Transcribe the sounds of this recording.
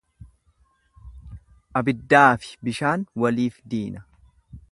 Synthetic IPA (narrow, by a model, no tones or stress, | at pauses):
ʔɐbɪd̪ːaːfɪ̥bɪʃaːnwɐliːfd̪iːnɐ̥